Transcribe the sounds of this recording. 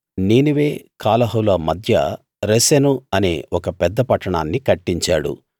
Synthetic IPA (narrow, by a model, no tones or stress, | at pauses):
niːnuʋe̞ːkʰaːlɐɦɐwlɐmɐd̪ʱjɐ̰ | ɾesenuɐnḛːɔkɐpɛd̪ːɐpɐʈːɐɳaːnːikɐʈːiɲt͡ʃa̰ːɽṵ